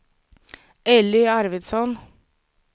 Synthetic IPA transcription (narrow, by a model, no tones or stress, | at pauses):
ɛlɪæɾʋɪd̪sɔn